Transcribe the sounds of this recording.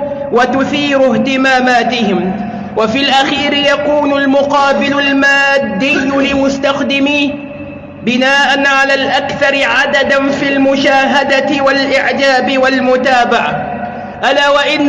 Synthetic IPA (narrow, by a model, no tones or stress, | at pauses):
wat̪ʊθiːɾʊht̪ɪmaːmaːt̪ɪhɪm | wafiːlʔaxiːɾɪjakuːnʊlmʊqɑːbɪlʊlmaːd̪ːijːʊlɪmʊst̪axd̪ɪmiː | bɪnaːʔanʕalaːlʔakθɑɾˤɪʕad̪ad̪nfilmʊʃaːɦad̪at̪ɪwalʔɪʕd͡ʒaːbɪwalmʊt̪aːbaʕa | ʔalaːwaʔɪnː